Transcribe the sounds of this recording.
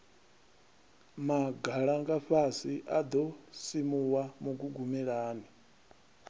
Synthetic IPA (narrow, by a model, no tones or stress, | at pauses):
maɡʱaɺaŋɡaɸasiʔad̪ɔsimuwamuɡuɡumɛɺaːni